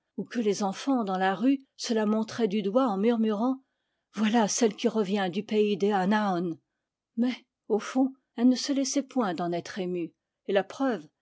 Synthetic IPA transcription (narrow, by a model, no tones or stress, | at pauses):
ukəlezɑ̃fɑ̃d̪ɑ̃laʁysəlamɔ̃t̪χɛd̪yd̪waɑ̃myʁmyʁɑ̃ | vwalasɛlkʲiʁəvjɛ̃d̪ypeid̪eanaɔn | mɛ | ofɔ̃ | ɛlnəsəlɛsɛpwɛ̃d̪ɑ̃nɛt̪χemy | elapχœv